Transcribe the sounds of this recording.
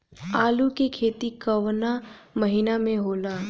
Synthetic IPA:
aːlukekʰeːt̪ikɐʋnamɐɦinamẽɦoːlaː

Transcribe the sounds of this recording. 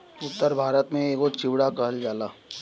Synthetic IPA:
ʊt̪ːəɾbʱaːɾət̪mẽeːkot͡ʃɪʋɽakəɦəld͡ʒaːlaː

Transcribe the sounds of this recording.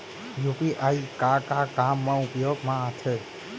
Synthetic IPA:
jupiʔaikakakamːãupjoɡmãat͡ʃʰe

